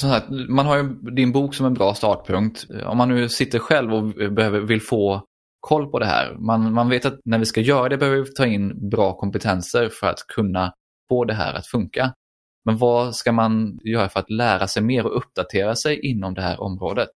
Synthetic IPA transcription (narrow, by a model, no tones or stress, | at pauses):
sɔmsak̚t̪manɦaɾjɵd̪ɪnbuːksɔmɛnbɾɑːst̪ɑːʈ̚pʰɵŋk̚t̪ɔ̰mːanːʉ̟ːsɪt̪ːəɾɧɛlvɔbɛhøːvəɾvɪlːfoː | kʰɔlːpʰɔd̪ɛɦæ̰ːɾmanmanveːt̪at̪næɾvɪskajœːɾad̪ɛbɛhøvəvɪt̪ʰɑːɪnːbɾɑːkʰɔmpɛt̪ʰɛnsəɾfœɾa̰t̪kʰɵnːa | foːd̪ɛɦæ̰ːɾʔa̰t̪fɵŋka | mɛnvɑskamanjœːɾafœɾat̪læːɾasɛjmeːɾɔɵp̚ːd̪̥at̪ʰeːɾasɛjʔɪnːɔmd̪ɛɦæ̰ːɾʔɔ̰mɾoːd̪ət̪̚